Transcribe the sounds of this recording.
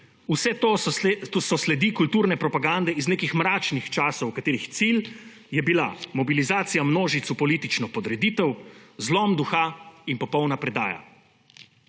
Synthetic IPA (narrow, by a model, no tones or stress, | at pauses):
usɛt̪ot̪sɔslɛd̪ikult̪uːɾnɛpɾɔpaɡand̪ɛizneːkixmɾaːt͡ʃnixt͡ʃaːsɔwkat̪eːɾixt̪sil | jɛbila̰mɔbilizaːt̪sijamnoːʒit̪supɔliːt̪it͡ʃnɔpɔd̪ɾɛd̪it̪ɛwzlɔmd̪uxainpɔpɔwnapɾɛd̪a̰ːja̰